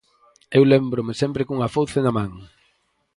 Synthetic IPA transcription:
ewlembɾʊmɪsɛmpɾɪkuŋɐfowθenɐmãŋ

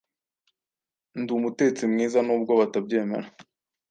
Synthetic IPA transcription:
ndumute̞t͡simŋiːzanuːb̚ɡoβatabɟe̞ːme̞̰ɾa

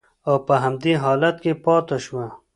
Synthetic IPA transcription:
awpəɦamd̪eɦɑːlat̪̚kepɑt̪aʃwa

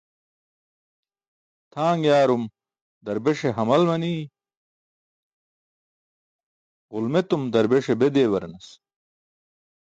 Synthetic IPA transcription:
t̪ʰaːŋɡjaːɾum | d̪ɐɾbeʂeɦɐmɐlmɐniː | ɣulmet̪umd̪ɐɾbeʂebed̪eːwɐɾnɐs

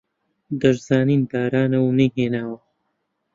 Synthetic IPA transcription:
d̪ɐʒzaːniːnd̪aːɾaːnɐwnejɦeːnaːwɐ

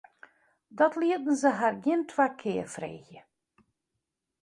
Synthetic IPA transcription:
dɔtliədən̩zəɦarɡɪəntʰwaːkʰɪːfrḛːɣjə

